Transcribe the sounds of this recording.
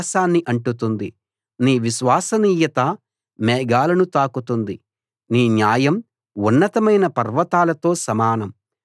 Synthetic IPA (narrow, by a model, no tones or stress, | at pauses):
saːnːiʔɐɳʈut̪und̪i | niːʋiʃʋaːsɐniːjɐt̪ɐ | mɛːɡaːlɐnut̪aːkut̪und̪i | niːnjaːjɐm | unːɐt̪ɐmɐjnɐpɐɾʋɐt̪aːlɐt̪o̞ːsɐmaːnɐm